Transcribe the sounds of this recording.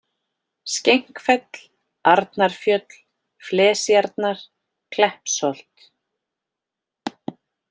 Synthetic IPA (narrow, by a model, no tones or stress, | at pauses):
scejŋ̥kfɛt̪l̥ | aɾt̪naɾ̥fjœt̪l | flɛːsjaɾt̪naɾ̥ | kʰlɛhpsolt̪